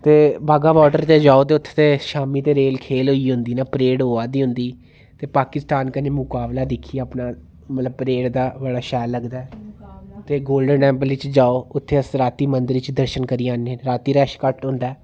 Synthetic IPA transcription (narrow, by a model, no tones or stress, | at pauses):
t̪eːbʱaːɡaːʋɔːʈəɾt̪eːd͡ʒaːoːt̪eːʊt̪ʰːe̥t̪eːʃaːmiːt̪eːɾeːlkʰeːlɦoːiːɦʊ̃nd̪iːnaːpəɾeːɽɦoːaːd̪iːɦʊ̃nd̪iː | t̪eːpaːkɪst̪aːnkəneːmʊkaːblaːd̪ɪkʰːiːəːpnaː | mət̪ləb̚pɾeːɽd̪aːbəɽaːʃɛːlːəɡd̪aːɛ | t̪eːɡoːlɖənʈɛ̃ːmbəlʋɪt͡ʃd͡ʒaːoːʊt̪ʰːeːəsɾaːt̪iːmənd̪əɾɪt͡ʃd̪əɾʃənkəɾiːãːnːẽːɾaːt̪iːɾɛːʃkəʈɦʊ̃nd̪aː